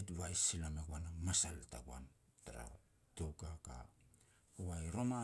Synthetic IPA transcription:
etβajsːilamekuanamasalta̰ɡua̰n | taɾa̰ | towkaka̰ | kuβajɾo̞ma

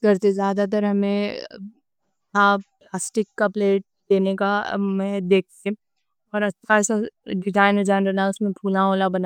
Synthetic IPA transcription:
kɐɾt̪ezjaːd̪at̪̬ɐɾɦɐmẽ | aplaːsʈɪkːapleːʈ̚d̪eːnekamɛɦd̪eːk̚ʰt̪ẽ | ɔːɾɐʃʰaɛsaɖɪzaːɪnd͡ʒaːnɾənaʊsmẽpʰuːlãoːlabɐna

